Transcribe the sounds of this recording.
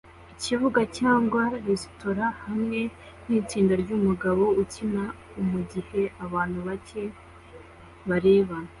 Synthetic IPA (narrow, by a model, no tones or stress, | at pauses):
icivuɡacaːŋɡwaɾesto̞ɾahamŋe̞ | n̥iːt͡siːndaɾɟuːmuɡaβo̞ucina | umuɟihe̞aβaːn̥huβace̞ | βaɾe̞ːβa